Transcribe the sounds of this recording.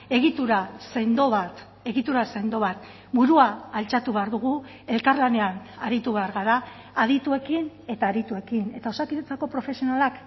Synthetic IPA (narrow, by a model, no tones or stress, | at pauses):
e̞ɣit̪uɾasend̪oβat̪ | e̞ɣit̪uɾase̞nd̪o̞βat̪ | buɾuaːlt͡ʃat̪uβe̞aɾðuɣ̞u | e̞lkaɾlane̞anaɾit̪uβe̞aɾɣaðaː | ðit̪ue̞kin | e̞t̪aːɾit̪ue̞kine̞t̪ao̞sakiet͡sako̞pɾo̞fe̞sionalak